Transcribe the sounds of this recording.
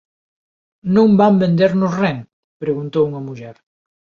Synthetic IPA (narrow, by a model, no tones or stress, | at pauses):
nõmbambẽnd̪eɾnʊsrɛŋ | pɾeɣunt̪owuŋɐmuʎɛɾ